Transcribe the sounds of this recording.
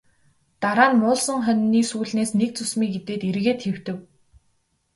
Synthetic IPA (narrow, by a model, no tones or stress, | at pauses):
t̪aɾaːnmʊːɮsə̆ŋχœnːiːsuːɮneːsnek̚t͡sɵsmiːkɡet̪eːt̪eɾɣeːt̪xew̥t̪ɘ̆w